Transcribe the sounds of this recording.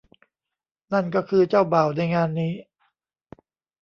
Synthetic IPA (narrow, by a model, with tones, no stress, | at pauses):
na˥˩nkɔː˥˩kʰɯː˧t͡ɕaː˥˩wbaː˨˩wna˧jŋaː˧nːiː˦˥